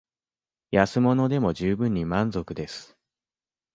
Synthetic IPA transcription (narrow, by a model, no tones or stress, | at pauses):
jasɨmo̞no̞d̪e̞mo̞ʑɨːbɯ̟̃ɲ̟ːimãnzo̞kɯ̟d̪e̞sɨ̥